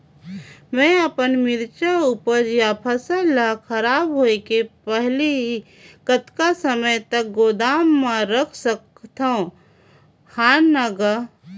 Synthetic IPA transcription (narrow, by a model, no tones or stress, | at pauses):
mɛ̃ːəpənmɪɾt͡ʃaupəd͡ʒjapʰəsəlːakʰəɾaːbɦoekepɛɦliɦi | kət̪kasəməjt̪ək̚ɡoːd̪aːmːãɾəkʰsək | t̪aõ | haːnːəɡə